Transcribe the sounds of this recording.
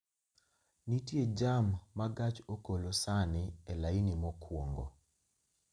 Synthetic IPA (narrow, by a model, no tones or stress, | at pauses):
nitjed͡ʒamːaɡat͡ʃokolosanɪɛlainimɔkʰwoŋɡo̰